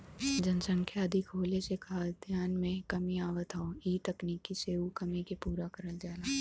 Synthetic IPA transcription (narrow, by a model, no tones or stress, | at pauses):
d͡ʒɐnsə̃ŋkʰjaːd̪ʱikʰoːlesekʰaːd̪ʱjaːnmẽkɐmiaːʋət̪ʰaoiːt̪ɐkniːkːiseːukɐmikepuːɾakəɾəld͡ʒaːlaː